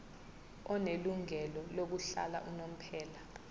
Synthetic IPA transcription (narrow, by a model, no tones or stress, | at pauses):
ɔneluŋɛlɔlok̬uɬa̰la̰ʔunom̩pʰɛːla